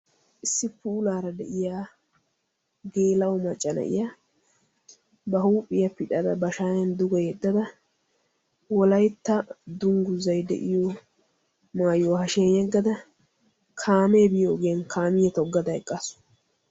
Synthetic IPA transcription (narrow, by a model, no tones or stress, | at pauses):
ʔɪsːɪpuːlaːɾɐd̪ɛʔɪjaː | ɡe̞ːlɐwʊmɐt͡ʃʼːɐnɐ̰ʔɪ̰jɐ | bɐɦuːpʼːɪjɐpɪᶑʼɐd̪ɐbɐʃaːjɐnd̪ʊɡɔjɛd̪ːɐd̪ɐ | wɔlɐjt̪ːɐd̪ʊŋɡʊzɐjd̪ɛ̰ʔɪjo | maːjohɐʃɛnɛɡːɐd̪ɐ | kʰaːmeːbɪjoːɡeːnkʰaːmɪjɛt̪ɔɡːɐd̪ɐɛkʼːɐsʊ̥